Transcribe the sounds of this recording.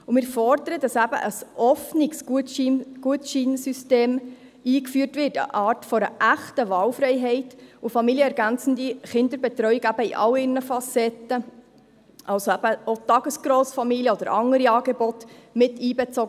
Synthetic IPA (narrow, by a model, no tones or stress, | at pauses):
ʊmɪːɾfɔɾd̪əɾəd̥ɑsæbə̰ʔəsʔɔfnɪɡs | ɡ̥uətʃinsysteːm | iːkfyːərtʋɪrtə̰ʔɑːrtfɔɾəʔæχtəʋɑːlfɾɛɪɦɛɪtʊfɑmiljəɛɾɡænt͡sn̩diχɪnd̥̪əɾbɛt̪ɾœʏiɡæb̥əiʔɑlɪrnəfɑsɛtə | ʔɑlsoæb̥əot̪ɑɡ̥əsɡ̥ɾɔːsfɑmiljəɔd̥̪əɾɑŋəɾiɑːɡɛbɔtmɪtiːbɛt͡sɔɡ